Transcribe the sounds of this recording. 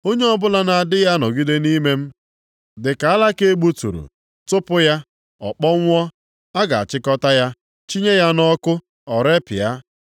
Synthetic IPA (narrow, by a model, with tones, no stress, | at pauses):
o˦ɲe˦ɔ˦bʊ˦la˦na˨a˨dɪ˦ja˦nɔ˨ɡi˦de˦ni˦me˦m̩˦ | dɪ˨ka˨a˦la˦ke˦e˦ɡ͡bu˦tṵ˨ɾṵ˨ | tʊ˦pʊ˦ja˦ | ɔ˨k͡pɔ˦ŋʷ˦ɔ˦ | a˦ɡa˨a̰˨t͡ʃɪ˦kɔ˦ta˦ja˦ | t͡ʃi˦ɲe˦ja˦nɔ˦kʊ˦ | ɔ˨ɾe˦pɪ˨ja˦